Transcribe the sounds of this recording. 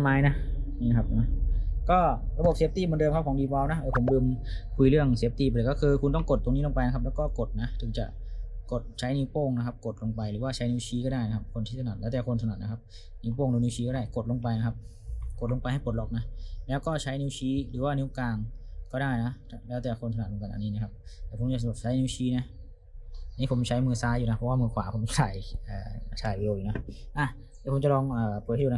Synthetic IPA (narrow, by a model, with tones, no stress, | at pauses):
maː˨˧˥jna˦˥niː˧˩kʰa˦˥p̚na˦˥kɔː˥˩ɾa˧bo˨˩p̚seː˦˥p̚t̪iː˥˩mː˧˦ndɤː˧mkʰa˦˥p̚ʰɔː˨˦diː˧bɔː˧wna˦˥ʔɤː˧˩pʰo˩˦mlɯː˧mkʰu˧jɾɯ˥˩əŋsiː˦˥p̚t̪iː˥˩˧lɤː˨˩kɔː˥˩kʰɯː˧kʰu˧nt̪ɔ˥˩ŋko˨˩t̪ːo˧ŋi˦˥lo˧ŋpa˧jna˦˥kʰa˦˥p̚lɛː˦˥wkɔː˥˩ko˨˩t̪̚na˦˥t̪ʰɯ˨˩˦t͡ɕa̰˨˩ʔko˨˩t̪̚t͡ɕʰa˦˥jniː˦˥wpoː˥˩ŋna˦˥kʰa˦˥p̚ko˨˩t̪̚lo˧ŋpa˧jɾɯː˩˦waː˥˩t͡ɕʰa˦˥jni˧˥wt͡ɕʰiː˦˥kɔː˥˩daː˥˩jna˦kʰa˦˧˥p̚kʰo˧nʰiː˥˩sʰa˧na˨˩lɛː˦˥t̪ɛː˨˩kʰo˧ntsʰa˧˨˩t̪̚na˦˥kʰp̚ | niː˧˥wpoː˥˩ŋduː˧niː˧˥wt͡ɕʰiː˦kɔ˥˩daː˥˩jko˨˩t̪̚lo˧ŋpa˧jna˦˥kʰa˦˥p̚ | ko˨˩lo˧ŋpa˧jha˥˩jpo˨˩t̪̚lɔ˨˩k̚na˦˥lɛː˦˥wkɔː˥˩t͡ɕʰa˦˥jni˧˥wt͡ɕʰiː˦˥ɾɯː˩˦waː˥˩niː˦˥wkaː˧ŋkɔː˥˩daː˥˩jna˦˥lɛː˦˥wt̪ɛː˨˩kʰo˧nt̪̚ʰɯː˧˦ka˧nʔniː˦˥niː˧˥kʰa˦˧p̚t̪ɛː˧˩o˩˦mt͡ɕa˨sa˧˨u˨˩t͡ɕʰa˦˥jni˧˥wt͡ɕʰiː˦˥na˦˥ʔ | ʔa˧niː˦˥pʰo˩˦m˧t͡ɕʰa˦˥jmɯː˧saː˦˥juː˨˩na˦˥pʰɔ˦˥waː˥˩mɯː˧kʰwaː˨˦pʰo˩˦m˧t͡ɕʰaː˧˩jʔa̰ː˨˩t͡ɕʰaː˨˩jwi˧eː˧juː˨˩na˦˥ʔa˧˩ | t̪ɛː˧˩pʰo˨˧˦mt͡ɕa˨lɔː˧ŋʔəː˨˩puː˨˩huː˨˦